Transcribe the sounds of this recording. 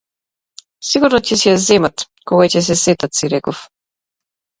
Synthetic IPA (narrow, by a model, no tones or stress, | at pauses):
siɡuɾnɔcɛsɛjazɛmat̪ | kɔɡacɛs̬ɛsɛt̪at̪siɾɛkɔf